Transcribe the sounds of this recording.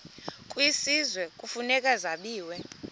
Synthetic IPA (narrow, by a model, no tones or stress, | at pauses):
kʼwisizwɛkʼufunɛkʼazaɓiːwɛ